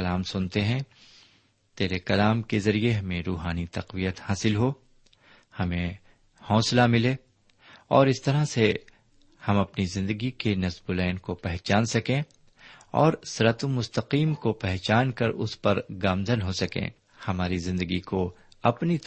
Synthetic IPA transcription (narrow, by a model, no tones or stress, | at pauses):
laːmsʊnt̪eɦɛ̃ | t̪eːɾekɐlaːmkezɐɾieɦɐmẽɾuːɦaːnit̪ɐqʋijət̪haːsɪlɦo | hɐmẽ | hɔ̃ːslamɪle | ɔːɾɪst̪ɐɾase | hɐmɐpnizɪ̃nd̪əɡikenɐsbʊlɛːnkopɛɦt͡ʃaːnsɐkẽ | ɔ̰ːɾsɾət̪omʊst̪əqiːmkopɛɦt͡ʃaːnkɐɾʊ̰spɐɾɡaːmzənɦosɐkḛ̃ | hɐmaːɾizɪ̃nd̪əɡiko | ɐpni